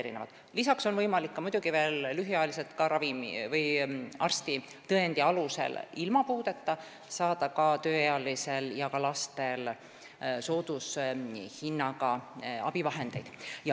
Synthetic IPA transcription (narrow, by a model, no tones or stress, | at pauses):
eɾḭnevɑ̰d̪̥ | lisɑkso̞nvɤjmɑlikːɑmud̪̥ʲuɡ̥ive̞ːlːyɦijɑelis̬e̞lt̪kɑɾɑvimḭvɤjɑrst̪i | t̪ɤend̪̥iɑluse̞̰lilmɑpuːd̪̥e̞t̪ːɑ | sɑːd̪̥ɑkɑt̪ø̞ːejɑlise̞ljɑkɑlɑst̪e̞l | so̞ːd̪̥ushinːɑɡɑɑ̰b̥ivɑɦe̞nd̪̥e̞jd̪̥jɑ